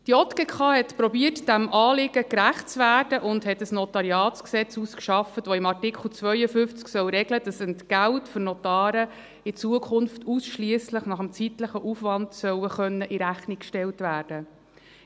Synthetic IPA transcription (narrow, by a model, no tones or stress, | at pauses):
d̥iɔt̪kɛkʰɑːhɛtpɾɔbiərtd̥æmʔɑːlɪɡ̥əkɾæχtt͡sʋæːrdəʔʊndhɛtəsnɔt̪ɑɾiɑːt͡sksɛt͡suskʃɑfətʋɔɪmɑrtɪkʰχl̩ˠt͡svœʏəfʏft͡sksœwɾɛɡləd̥ɑsəntɡæltfʏɾnɔt̪ɑːɾə | ɪt͡suəkʰχʊnftusʃliəsləχnɑχəmt͡sit̪ləχəʔufʋɑntsœwəχœnːəʔiɾæχnikʃtɛltʋæːrd̥ə